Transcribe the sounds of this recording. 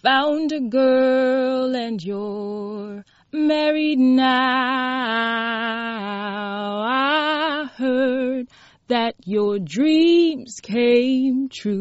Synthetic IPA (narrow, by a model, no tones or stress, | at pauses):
fãʊ̃ndɨɡɜ˞lˠɨ̃njə | mɛɹidⁿna | ʊaɪhɜ˞d̪̚ | ðɨt͡ʃə˞dɹĩmz̥kʰẽɪ̃mtʰɹʉ